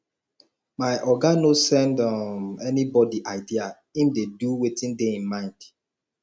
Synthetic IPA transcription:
maɪʔɔɡanosɛ̃ndɔmɛnibɔdiʔaɪdia | ĩmdeduwetĩndeĩnmãɪ̃nd̥

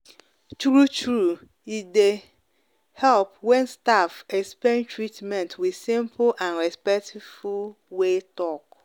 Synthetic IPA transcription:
t͡ʃuɾut͡ʃɾu | ide | hɛlpwɛ̃nstafɛkspẽntʰɹitmɛ̃ntʰwiðsĩmpʰlʔãnɹɛspɛktʰivu | wetɔk

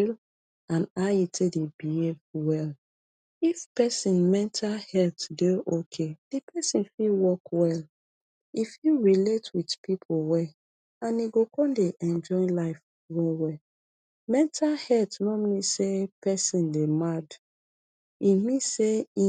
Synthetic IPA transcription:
l | ãnaitʰedebihevwɛl | ifpɛsĩnmɛ̃ntʰalhɛltdeʔokʰed̥ipʰɛsĩnfilwɔkwɛl | ifilɹiletwidpipʰolwɛ | ãniɡokɔ̃ndeʔɛ̃nd͡ʒɔɪ̃nlaɪf | ɹɔwɛ | mɛ̃ntʰalhɛltnomisepɛsĩndemad | imĩsei

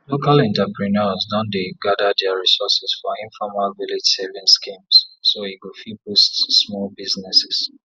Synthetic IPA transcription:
lokalɛ̃ntapɹinɔzdɔ̃ndeɡadadɛaɹisɔsɛsfɔĩnfɔmalviled͡ʒsɛvĩnskĩmssoiwifibustsmɔlbiznɛsɪs

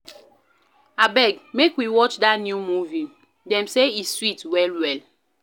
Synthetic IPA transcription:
abɛɡ̚mekwiwɔt͡ʃdatnjumuvi | dɛ̃mseiswitwɛlwɛl

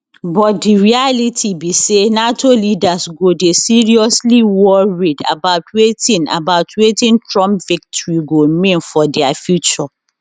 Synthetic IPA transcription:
bɔt̚diɹialitʰibisenatʰolidasɡodesiɹiɔsliwɔɹida̰baʊtwetĩna̰baʊtʰwetĩntʰɹɔ̃mpvik̚tʰɔɹiɡomĩnfɔdɛafjut͡ʃɔ

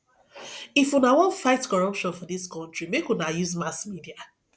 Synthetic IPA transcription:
ifũnawɔ̃nfaɪtkɔɹɔpʃɔ̃nfɔdiskɔ̃ntɹimekũnajuzmasmidia

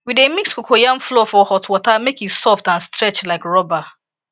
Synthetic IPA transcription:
widemikskokʰojam̩flɔfɔhɔtwɔtamekitsɔftãnstɾɛt͡ʃlaɪkɹɔba

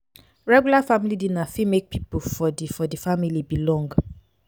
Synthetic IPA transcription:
ɹɛɡjulafamilidinafimek̚pʰipofɔdifɔdifamilibilɔ̃ŋɡ

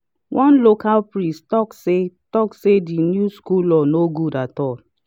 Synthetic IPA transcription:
wʔɔ̃nlokalpɹĩstɔksetɔksedinjuskulɔnoɡudatɔl

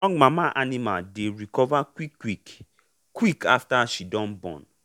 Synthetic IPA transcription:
ɔ̃ŋɡmamaʔanĩma̰deɹikɔvakwikːwik | kwikaftaʃidɔ̃nbɔ̰̃n

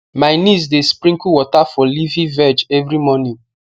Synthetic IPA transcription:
maɪnis̬despɾĩŋkuwɔtafɔlivĩvɛd͡ʒɛvɾimɔnĩ

